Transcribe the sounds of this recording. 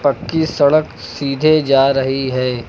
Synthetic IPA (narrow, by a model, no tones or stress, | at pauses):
pəkːisɐɽəksiːd̪ʱed͡ʒaːɾɐɦiɦɛː